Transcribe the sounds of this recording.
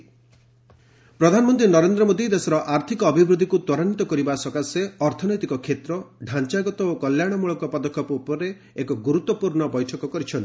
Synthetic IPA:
pɾɔd̪ʱanɔmɔnt̪ɾinɔɾend̪ɾɔmod̪id̪esɔɾɔʔaɾt̪ʰikɔːbʱibɾud̪ʱikut̪wɔɾanit̪ɔkɔɾibasɔkaseɔɾt̪ʰɔnɔjt̪ikɔkʰet̪ɾɔɖʱant͡ʃaɡɔt̪ɔokɔljaɽ̃ɔmuɭɔkɔpɔd̪ɔkʰːɔpɔupɔɾe | ekɔɡuɾut̪ːɔpuɾɳɔbɔjʈʰɔkɔkɔɾit͡ʃʰɔnt̪i̥

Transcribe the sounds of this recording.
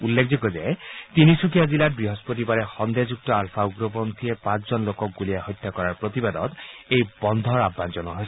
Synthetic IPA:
ulːek̚ʰzikɔzet̪inisukʰiazilat̚bɹiɦɔspotibaɾɛxɔnd̪ezuk̚tɔalpʰauɡɹɔbɔnt̪ʰiepãt͡szɔnlokɔk̚ɡuliaɦɔjt̪ːjakɔɹaɹpɹot̪ibad̪ɔt̪ejbɔnd̪ʱɔɹabːanzɔnɔɦojs

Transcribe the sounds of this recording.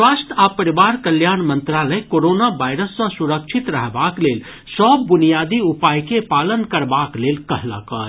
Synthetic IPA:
swaːsʈ̪apəɾɪʋaːɾkəljaːnmə̃nt̪ɾaːləjkoːɾoːnabaːɪɾəsːãsʊɾəkʃʰɪt̪ɾəɦbaːkleːl | səb̚ːʊnijaːd̪iʊpaːjkepaːlənkəɾbaːkleːlkɐɦla̰ka̰ː

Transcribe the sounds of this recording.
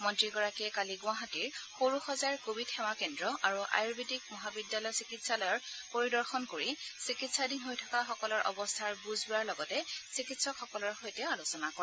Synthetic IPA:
mɔntɹiɡɔɹakiɛkaliɡʊ̃aɦatiɹxoɹuxɔzaɹkobidxɛmakɛndɹɔʔaɹuʔa̰jɹbitik̚mɔɦabidːalɔjsikitsalɔjɔɹpoɹidɔɹxɔnkoɹisikitsadinɦojtʰakaxɔkɔlɔɹʔɔ̰bɔstʰaɹbuzbuaɹlɔɡɔtɛsikitsɔkxɔkɔlɔɹxojtɛalusɔnakɔɹɛ

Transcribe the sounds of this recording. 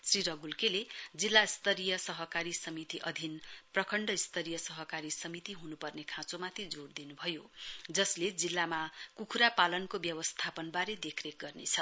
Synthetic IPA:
sriɾʌɡulkeled͡zilːaist̪ʰʌɾijʌsʌɦʌkaɾisʌmit̪iʔʌd̪ʱinprʌkʰʌɳɖʌist̪ʰʌɾijʌsʌɦʌkaɾisʌmit̪iɦunupʌrnekʰãt͡somat̪ʰid͡zord̪inubʱʌjod͡zʌsled͡zilːamakukʰuɾapalʌnkobjʌwʌst̪ʰapʌnbaɾed̪ekʰrek̚ɡʌrnḛt͡sʰʌ

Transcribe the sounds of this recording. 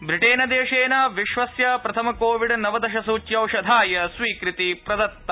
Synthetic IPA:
bɾiʈeːnɐd̪eːʂeːnɐʋiʃʋɐsjɐpɾɐt̪ʰɐmɐkoːʋiɖnɐʋɐd̪ɐʃɐsuːt͡ʃjɐwʃɐd̪ʱaːjɐsʋiːkɾit̪ipɾɐd̪ɐt̪ːɐ

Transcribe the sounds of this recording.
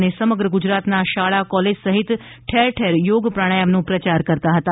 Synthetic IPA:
nesəməɡɾəɡʊd͡ʒɾat̪naʃaɭakɔled͡ʒsəɦit̪ʈʰeɾʈʰeɾjoːɡpɾaɽ̃əjəmnũpɾət͡ʃaɾkəɾt̪aɦət̪a

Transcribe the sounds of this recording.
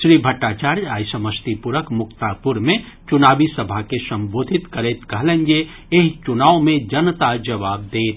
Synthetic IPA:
ʃɾiːbʱəʈːaːt͡ʃaːɾaːjsəməst̪ipʊɾəkmʊkt̪apʊɾmẽ | t͡ʃʊnaːbisɐbʱakesɐ̃mboːd̪ʱɪt̪kəɾeːt̪kəɦlẽnd͡ʒe | eɦt͡ʃʊnaːomẽd͡ʒɐnt̪ad͡ʒɐʋaːb̚d̪eːt̪

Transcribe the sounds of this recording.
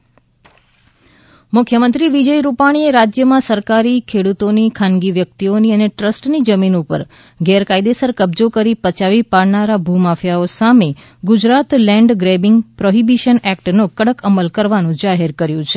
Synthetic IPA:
mʊkʰjəmənt̪ɾiʋid͡ʒəjɾupaɽ̃ieɾad͡ʒjəmãsəɾkaɾikʰeɽut̪onikʰanɡiʋjək̚t̪ioniəneʈɾəsʈnid͡ʒəminupə̰ɾ | ɡɛɾkaid̪esəɾkəbd͡ʒokəɾipət͡ʃaʋipaɭnaɾabʱumafjaosame | ɡud͡ʒɾat̪lɛ̃ɳɖɡɾebɪŋɡpɾoɦibiʃənɛk̚ʈnõkəɽəkəməlkəɾʋanũd͡ʒaɦeɾkəɾjũt͡ʃʰe

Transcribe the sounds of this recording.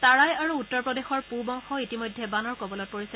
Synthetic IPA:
taɹajaɹuːtːɔɹpɹɔdexɔɹpubɔŋxɔitimɔjdʱːɛbanɔɹkobɔlɔt̚poɹisɛ

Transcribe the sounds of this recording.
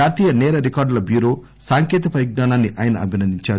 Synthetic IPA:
aːt̪iːjɐnɛːɾɐɾikaːɾɖlɐbjuːɾo̞ː | saːŋkeːt̪ɐpɐjiɡ̚naːnaːnːiʔaːjɐnɐ̰ɐbʱinɐnd̪iɲt͡ʃaːɾu

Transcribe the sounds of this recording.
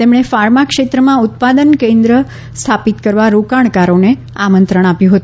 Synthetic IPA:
t̪emɽ̃efaɾmakʂet̪ɾəmãʊt̪̚pad̪ənkẽnd̪ɾə | st̪ʰapit̪kəɾʋaɾokaɳ̃kaɾone | amənt̪ɾəɽ̃apjũɦət̪ũ

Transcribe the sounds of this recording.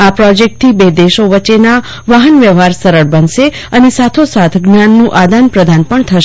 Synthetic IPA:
apɾɔd͡ʒek̚ʈ̚t̪ʰibed̪eʃoʋəːt͡ʃena | ʋaɦənʋjəʋɦaɾsəɾəɽbənʃe | ənesat̪ʰosat̪ʰɡnjanːũʔad̪anpɾəd̪ʱanpəɳt̪ʰəʃe

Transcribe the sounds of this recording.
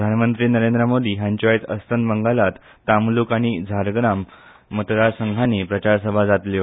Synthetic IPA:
d̪ʱanmənt̪ɾiːnəɾend̪ɾəmod̪iːɦãɲt͡ɕajt̪əst̪ʰənbəŋɡalat̪ːamlukaɽ̃id͡zʱaɾɡɾamː | ət̪ɾasəŋɡʱanepɾət͡ɕaɾsəbʱad͡zat̪li

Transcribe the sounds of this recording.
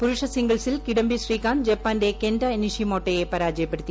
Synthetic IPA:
pʊɾʊʈʂɐsɪŋɡɐɭsɪlkɪɽɐmbisriːkaːnd͡ʒɛpːaːnɖeːkɛnɖɐnɪʂimoːʈːɐjepːɐːɾaːd͡ʒijɐpːɐɽɯt̪ːi

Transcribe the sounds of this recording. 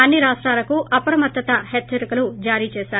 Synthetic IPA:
ɐnːiɾaːʂʈɾaːlɐkuʔɐpɐɾɐmɐt̪ːɐt̪ɐɦɛt͡ʃːsɐɾikɐlud͡ʒaːɾiːt͡ʃɛːʃaːɾu

